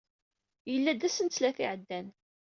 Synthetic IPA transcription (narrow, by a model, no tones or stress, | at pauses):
jəlːæd̪æsənt͡sːlæθiʕd̪ːæn